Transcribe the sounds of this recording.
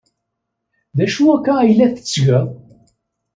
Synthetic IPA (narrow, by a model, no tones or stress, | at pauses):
ðæʃuækːæjlːæθə̥t͡sːʝəðˤ